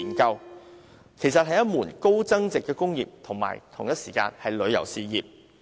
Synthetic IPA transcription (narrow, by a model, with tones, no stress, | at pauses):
nkɐ˧w | kʰe˨˩jsɐ˨t̚hɐ˨jɐ˥t̚muː˨˩nko˥wt͡sɐ˥ŋt͡sɪ˨kːɛː˧kʊ˥ŋjiː˨p̚t̪ʰʊ˨˩ŋma̰ː˨˩jt̪ʰʊ˨˩ŋjɐ˥t̚siː˨˩ka̰ː˧nhɐ˨jlɵ˨˧ɥjɐ̰˨˩wsiː˨˧jiː˨p̚